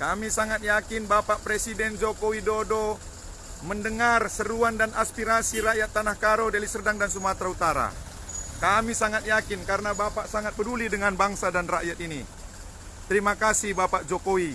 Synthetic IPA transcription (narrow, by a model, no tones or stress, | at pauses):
kamisaŋat̪̚jakinbapaʔpɾɛsidɛnd͡ʒɔkowidɔdɔ | məndəŋarsəɾuandanaspiɾasiɾaʔjat̪ːanahkaɾɔdalisərdaŋdans̬umat̪ɾaut̪aɾa̰ | kamisaŋat̪̚jakinkaɾnabapaʔsaŋat̪̚bədulidəŋanbaŋsadanraʔjat̪̚ini | t̪əɾimakasihbapaʔd͡ʒɔkowi